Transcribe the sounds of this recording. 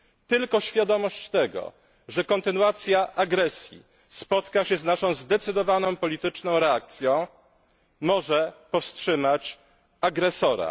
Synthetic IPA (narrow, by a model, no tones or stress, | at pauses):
t̪ɘlkɔɕfʲjad̪ɔmɔɕt͡ɕt̪ɛɡɔ̰ | ʐɛkɔnt̪ɘnuat̪sʲjaʔaɡɾɛsʲjḭ | spɔt̪kaɕɛznaʂɔ̃w̃zd̪ɛt̪sɘd̪ɔvanɔ̃w̃pɔlʲit̪ɘt͡ʂnɔ̃w̃ɾɛak̚t̪sʲjɔ̃w̃ | mɔʐɛpɔfstʂɘmat͡ɕ | aɡɾɛsɔɾa̰